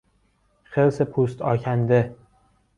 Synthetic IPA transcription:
χeɾsepʰust̪ʰɒ̰ːkʲʰand̪e

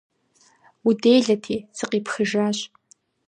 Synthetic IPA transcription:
wudejɮɐtʰiːsɨqiːpxɨʒaːɕʼ

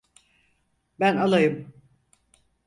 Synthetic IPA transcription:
bænalˠajɯm

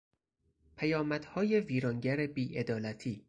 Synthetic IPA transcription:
pʰæjɒːmæd̪̥hɒːje̞viːɾɒːŋɟæɾebiːʔe̞d̪ɒːlæt̪ʰiː

